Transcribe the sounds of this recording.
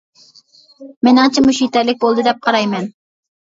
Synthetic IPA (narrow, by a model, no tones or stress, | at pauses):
mɪnɨŋt͡ʃʰɛmuʃit̪ɛɾlɪk̚ʲbolˠd̪ɨd̪ɛp̚qʰɑɾɑjmɛn